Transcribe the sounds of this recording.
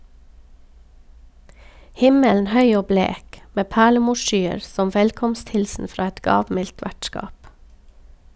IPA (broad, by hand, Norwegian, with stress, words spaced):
ˈhɪməln̩ ˈhœʏ ˈoː ˈbleːk ˈmeː ˈpæːɭəˌmuːʃˌʃyːəɾ ˈsɔm ˈʋɛlkɔmstˌhɪlsn̩ ˈfɾɑː ˈɛt ˈɡɑːʋˌmɪlt ˈʋæʈˌskɑːp